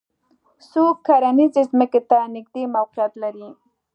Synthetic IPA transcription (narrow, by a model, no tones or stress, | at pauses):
sokʰːaɾanizɪzməket̪anɪɡ̚d̪emawqɪjat̪laɾi